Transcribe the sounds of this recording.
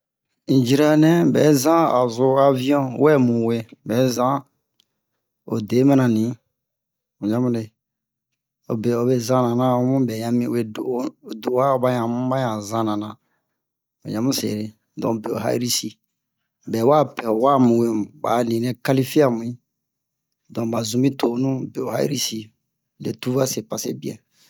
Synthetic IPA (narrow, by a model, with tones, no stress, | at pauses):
ĩ˨d͡ʒi˦ɾa˦nɛ̃˦bɛ̰˨˦zã˦a̰˨zo˦a˦vĩ˦ɔ̃˦wɛ˦mũ˨we˦bɛ˨˦zã˦ | o̰˨de˨˦mɛ̃˦nã˨nĩ˨˦ | u˨ɲã˦mũ˦ne˨ | o̰˨be˨o˨be˦zã˦nã˨nã˦o˦mũ˦bɛ˨ɲã˨mĩ˦e˦do˨˦˨do˨˦wa˦o˨ba˦ɲã˨mũ˦ba˦ɲã˨zã˦nã˨nã˨ | o̰˨ɲã˦mũ˦sḛ˨ɾe˨ | dɔ̃˨be˨o̰˨ɦa̰˦ḭ˦ɾi˦si˦ | bɛ˨˦wa˦pɛ˨o˨wa˦mũ˨wẽ˦˨ba̰˨nĩ˨nɛ̃˦ka˦li˦fi˦a˦˨mũ˨ĩ˦ | dɔ̃˨ba˨zũ˦mĩ˦to˨˦nũ˦be˨o˨ha̰˦ḭ˦ɾi˦si˦ | lḛ˨tu˦va˦se˨pa˨sḛ˦bi˦ɛ̰̃˨